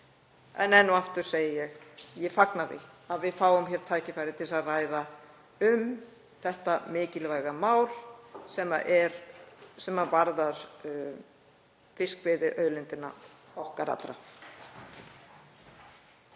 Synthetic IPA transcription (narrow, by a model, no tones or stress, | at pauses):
ɛ̰nɛnːʏaft̪ʏɾ̥seːjɪjɛɣjɛfaknaðɪ̰ | aðvɪðfaːwʏmçɛɾ̥t̪ʰaːjcɪfajɾɪt̪ʰɪlsaðraːjða | ʏm | θɛht̪amɪːcɪlvaːjɣamaːwɾ̥sɛma̰ʔɛɾsɛmavaɾðaɾ̥ | fɪskvɪːðɪʔœːɥlɪnt̪ɪnːa̰ɔhkaɾa̰t̪ɾa̰